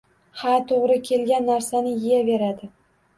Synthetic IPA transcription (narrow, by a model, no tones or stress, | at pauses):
hat̪ʰoʁɾɪkʲʰe̞lɡʲanːaɾsanɪjɪjave̞ɾad̪ɪ